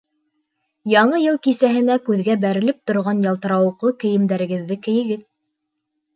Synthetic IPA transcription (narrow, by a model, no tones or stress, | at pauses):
jɑɴɤjɤlˠkisæɦɘ̆nækʉðɡæbæɾɘ̆lɘp̚t̪ŏɾʁɑnjɑlˠt̪ɤ̆ɾɑwɤ̆qlˠɤkɘ̆jɘ̆md̪æɾɘ̆ɡɘ̆ðːɘkɘ̆jɘ̆ɡɘð